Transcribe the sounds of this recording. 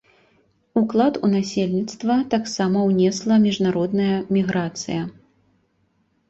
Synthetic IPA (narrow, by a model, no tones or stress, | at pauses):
uklˠat̪unasʲelʲnʲit̪st̪vɐt̪aksamɐwnʲɛslˠɐmʲiʐnaɾɔd̪nɐjɐmʲiɣɾat̪sɨ̰jɐ